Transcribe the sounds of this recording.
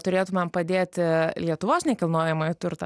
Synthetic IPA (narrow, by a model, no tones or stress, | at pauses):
t̪ʊɾʲeːt̪ʊmʲɛmpɐd̪ʲeːt̪ʲɪlʲiɛt̪ʊʋoːsnʲɛkʲɪlˠnoːjɛmɐɪt̪ʊrt̪ɐ